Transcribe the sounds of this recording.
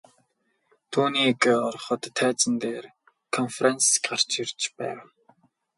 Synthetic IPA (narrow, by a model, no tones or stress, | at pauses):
t̪ʰuːniːkɔrχɞ̆t̪ʰːæːt͡sə̆nt̪eːr | kʰɔnfrɛnskɢar̥t͡ɕirt͡ɕpæ̰ːw